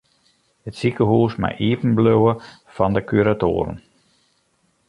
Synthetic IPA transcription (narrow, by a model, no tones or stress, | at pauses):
hətsikəɦuːəsma̰jʔiəpən̩bløwə | fɑndəkyɾato̰ːɾə̰n